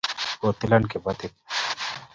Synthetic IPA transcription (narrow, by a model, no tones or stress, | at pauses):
oːt̪ɪlɐnkebɐt̪it̪̚